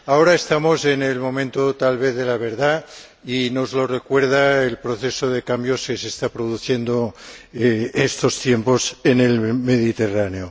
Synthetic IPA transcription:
ao̞ɾaest̪amose̞nelmõ̞mẽnt̪ot̪alβ̞eθðelaβ̞e̞ɾða | ino̞zlorekwe̞ɾð̞aelpɾoθesoðe̞kambjo̞skesest̪apɾoðuθje̞nd̪o | est̪o̞st̪je̞mpo̞sene̞lme̞ðit̪e̞raneo

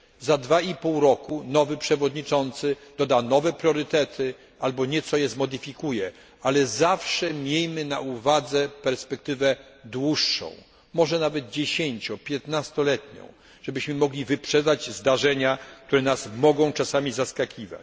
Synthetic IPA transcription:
zad̪vaipuwɾɔkunɔvɘpʂɛvɔd̪ɲit͡ʂɔnt̪sɘd̪̥ɔd̪anɔvɛpɾʲjɔɾɘt̪ɛt̪ʰɘ | albɔɲɛt̪sɔjɛzmɔd̪ɘfʲikujɛ | alɛzafʂɛmʲjejmɘnaʔuvad̪zɛpɛɾspɛkt̪ɘvɛd̪wuʂːɔ̰̃w̃ | mɔʐɛnavɛd̪̚d͡ʑeɕeɲt͡ɕɔpʲjɛt̪nast̪ɔlɛt̪ɲɔ̰̃w̃ | ʐ̥ɛbɘɕmɘmɔɡlʲivɘpʂɛd̪ad͡ʑzd̪aʐɛɲak̚t̪uɾɛnasmɔɡɔ̃w̃t͡ʂasamʲizaskakʲiva̰t͡ɕ

